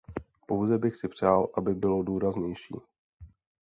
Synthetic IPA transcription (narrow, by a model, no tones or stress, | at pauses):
po̞wzɛbɪxsɪpr̝̥aːlʔabɪbɪlo̞duːɾazɲɛjʃḭː